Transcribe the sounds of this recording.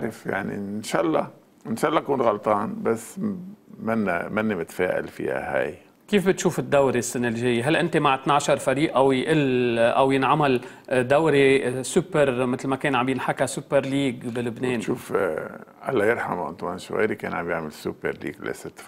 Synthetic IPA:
ʔaʕɾˤɪfja̰ʕnḭnʃaːʔlˤːɑ | ʔɪnʃaːʔlˤːɑkuːnɣɑlt̪ˤɑːnbasː | manːamanːamɪt̪feːʔa̰lfḭːha̰ha̰j | kiːfbɪt̪ʃuːfɪd̪ːawɾesːanːɪlʒejːeɦalʔɪnt̪emaʕt̪naʕʃɑɾˤfaɾiːʔʔawjʔɪlʔawjɪnʕamal | d̪awɾesʊpːeɾmɪt̪lmakeːnʕambjɪnħakasʊpːeɾˤliːɡbɪlɪbneːnʃuːf | ʔalːajɪɾˤħamʔʊ̰nt̪waːnʃwa̰jɾikeːnʕambjaʕmɪlsːṵpːeɾˤlḭːɡlḛsɪt̪ːf

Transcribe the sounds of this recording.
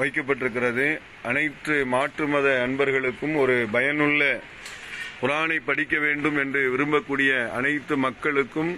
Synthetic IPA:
ʋɐɪk̬ːɐp̬ːɐʈːɪɾɯk̬ːɪrɐðɯ | ʔɐnɐɪt̪ːɯmaːʈrɯmɐðɐɐnbɐɾɣɐɭɯkːɯmɔɾɯbɐjɐnɯɭːɐ | pʊɾaːnɐɪpːɐɽɪkːɐʋeːɳɖɯmɛndrɯʋɪɾɯmbɐkːuːɽɪjɐɐnɐɪt̪ːɯmɐkːɐɭɯkːɯm

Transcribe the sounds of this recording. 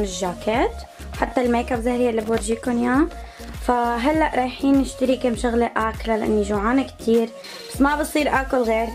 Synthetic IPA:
nɪʒːaːkeːt̪ | ħat̪ːalmeːkabzahɾijalːiboɾʒiːkʊnja | faɦalːaʔɾˤɑːjħiːnːɪʃt̪ɪɾikɪmʃʊɣleʔaːklalaʔa̰nːiʒuʕaːnakt̪ʰiːɾ | basːmabɨsˤiːɾʔaːkʊlɣeːɾ

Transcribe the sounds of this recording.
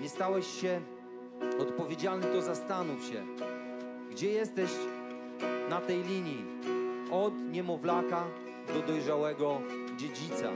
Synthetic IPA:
ɲɛst̪awɛɕːɛ | ɔt̪pɔvʲjed͡ʑalnɘt̪ɔzast̪anufɕɛ̰ | ɡd͡ʑɛjɛst̪ɛɕ | nat̪ɛjlʲiɲji | ɔd̪ɲɛmɔvlaka | d̪ɔd̪ɔjʐawɛɡɔ | d͡ʑed͡ʑit̪sa̰

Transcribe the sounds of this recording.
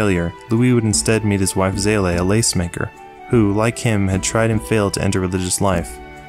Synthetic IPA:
lˠjə˞luiwɨɾn̩stɛd̚mit̚hɨzwaɪfzeɪleɪəleɪsmeɪkə̰˞ | hulaɪkhɪ̃mɨd̚tʰɹ̥aɪɾ̚ɨ̃ɱfeɪlˠd̚tʰɨʔɛ̰̃ntə˞ɹɨlɪd͡ʒɨslaɪf

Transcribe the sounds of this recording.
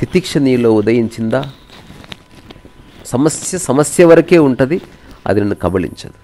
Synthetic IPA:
t̪ʰit̪ikʂɐniːloːud̪ɐjiɲt͡ʃind̪ɐ | sɐmɐsjɐsɐmɐsjɐʋɐɾɐkeːuɳʈɐd̪iɐ̰d̪inːukɐbɐɭḭɲt͡ʃɐd̪u

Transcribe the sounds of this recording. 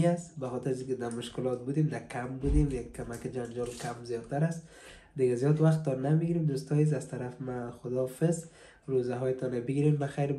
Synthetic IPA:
ast̪baxɔt̪ɪɾazikɪd̪amʊʃkɪlɔt̪̚bud̪emd̪akʰambud̪emjakkːamakɪd͡ʒand͡ʒɔlkʰamzijɔd̪̚t̪ːaɾast̪ | d̪ɪɡazjɔd̪waxt̪ːɔnamiɡiɾemd̪ust̪ɔjez̬azt̪aɾafmaxʊd̪ɔfɪz | ɾozaɦɔjɪt̪ɔnabɪɡiɾembaxajɾ

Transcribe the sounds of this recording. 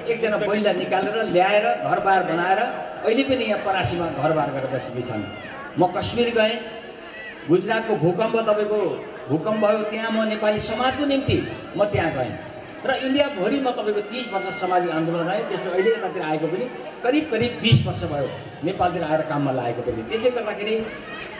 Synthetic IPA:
ek̚d͡zʌnabʌilanikaleɾʌljaeɾʌɡʱʌrbarbʌnaeɾʌː | ilepʌnijãpʌɾasimaɡʱʌrbarɡʌɾɾb̪ʌsikit͡sʰʌ̰n | mʌkʌsmirɡʌẽ | ɡud͡zrat̪̚kobʱukʌmbʌt̪ʌpaĩko | bʱukʌmbʱʌjot̪jãmʌnepalisʌmad͡zkonimt̪i | mʌt̪jãɡʌḛ̃ | rʌinɖijakɦʌɾimʌt̪ʌpaĩkot̪ĩsbʌrsʌsʌmad͡zikand̪olʌnɡʌɦẽt̪esloʌilet̪ʌt̪at̪iɾaaekopʌni | kʌɾib̚kʌɾibːisbʌrsʌbʱʌjo | nepalt̪iɾaaeɾʌkamːala̰ekopʌnit̪esʌjɡʌrd̪akʰeɾi

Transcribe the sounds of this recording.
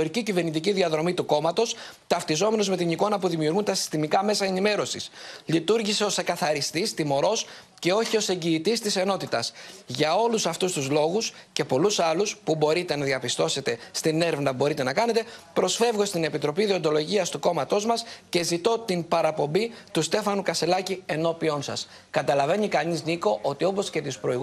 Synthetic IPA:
oɾicicive̞ɾnit̪iciðiɐðɾo̞mit̪uko̞mɐt̪o̞s | t̪ɐft̪izo̞me̞nozme̞t̪iniko̞nɐpuðimiuɾɣunt̪ɐsi̥st̪imikɐme̞sɐe̞nime̞ɾo̞sislit̪uɾʝiseo̞se̞kɐθɐɾist̪ist̪imo̞ɾo̞s | ce̞o̞çio̞se̞ɲɟiːt̪ist̪ise̞no̞t̪it̪ɐsʝɐo̞lusɐft̪ust̪uzlo̞ɣusce̞po̞lusɐluspubo̞ɾit̪e̞nɐðiɐpist̪o̞se̞t̪e̞st̪ine̞ɾevnɐbo̞ɾit̪e̞nɐkɐne̞t̪e̞pɾo̞sfe̞vɣo̞st̪ine̞pit̪ɾo̞piðio̞nd̪o̞lo̞ʝiɐst̪uko̞mɐt̪o̞zmɐsce̞zit̪o̞t̪impɐɾɐpo̞mbit̪ust̪e̞fɐnukɐse̞lɐcie̞no̞pio̞nsɐ̰s | kɐt̪ɐlɐvenikɐnizniko̞ʔo̞t̪io̞po̞sce̞t̪ispɾo̞iɣ

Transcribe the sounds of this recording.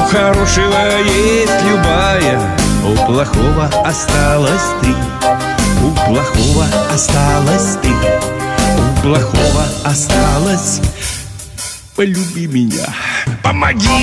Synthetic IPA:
xɐɾoʂɨvəjesʲtʲlʲubajə | oplˠɐxovɐɐst̪alˠɐsʲt̪ɨ | uplˠɐxovɐast̪alˠɐsʲt̪ɨ | uplˠɐxovɐɐst̪alˠɐsʲ | pɐlʲubʲimʲɪnʲa̰pɐmaɡʲi

